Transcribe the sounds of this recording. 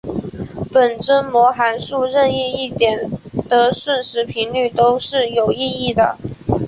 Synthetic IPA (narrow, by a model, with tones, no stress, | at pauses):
pə˨˩nʈ͡ʂə˥nmwɔ˧˥xa˧˥nʂu˥˧ɻə˥˧ni˥˧i˥˩t̪jɛ˨˩nt̪ə˧˥ʂwə˥˩nʂɻ̩˧˥pʰi˧˥nly˥˩t̪o˥ʊʂɻ̩˥˩jo˨˩ʊi˥˧i˥˩d̪ə̰˩